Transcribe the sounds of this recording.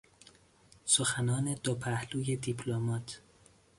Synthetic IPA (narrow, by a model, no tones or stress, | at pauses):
soxænɒːne̞d̪opʰæhluːje̞d̪ipʰlomɒːt̪ʰ